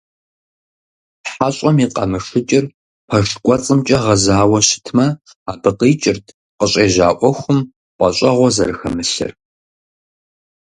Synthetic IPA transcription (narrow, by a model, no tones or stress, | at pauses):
ħaɕʼɐmiːqʼɐ̰mɨʂɨt͡ʃʼɪr | pʰɐʂkʷʼɔt͡sʼɨmt͡ʃʼɐʁɐzaːwɐɕɪ̥tʰmɐ | aːbɨqiːt͡ʃʼɪrtʰ | qəɕʼeːʒa̰ːʔʷɔxʷʊm | ʔʷʼɐɕʼɐʁʷɔzɐ̰ɾɨxɐ̰mɨɬɨ̰r